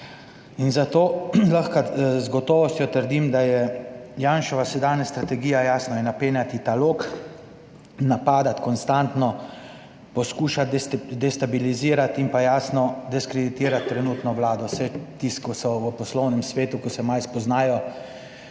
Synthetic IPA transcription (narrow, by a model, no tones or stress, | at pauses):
inzat̪oːlaxkazɡɔt̪ɔːʋɔst̪jɔt̪əɾd̪imd̪ajɛjaːnʃɔʋasɛd̪aːnast̪ɾat̪ɛɡijajaːsnɔjɛnapeːnjat̪it̪aloːk | napaːd̪at̪kɔnst̪ant̪nɔ | pɔskuːʃad̪ɛst̪abiliziːɾat̪impajaːsnɔd̪ɛskɾɛd̪it̪iːɾat̪ːɾɛnuːt̪nɔwlaːd̪ɔsɛt̪iskɔsɔʋəpɔslɔwnɛmsʋeːt̪ukɔsɛmajspɔznaːjɔ